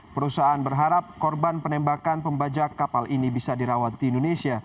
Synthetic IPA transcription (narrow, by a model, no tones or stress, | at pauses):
pəɾusaːnbərɦaɾap̚kɔrbanpənɛmbakanpəmbad͡ʒakːapalinibisadiɾawat̪iːndonesia